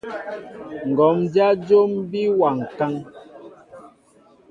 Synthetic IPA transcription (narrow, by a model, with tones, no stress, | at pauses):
ŋ̩˨ɡɔ˨˦md͡ʒja˦d͡ʒo˦mbi˦wa˨ŋ˨ka˦ŋ